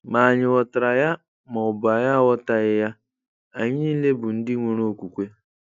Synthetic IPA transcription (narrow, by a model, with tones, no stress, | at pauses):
ma˨ɲɪ˨wɔ˨tɾa˨ja˦ | ma˨ʊ˨ba˨ja˦wɔ˦ta˨ɣɪ˦ja˦ | a˨ɲɪ˦i˦le˦bʊ˨n̩˦dɪ˦ŋʷo˨ɾo˦o˦˨kʷu˨kʷe˦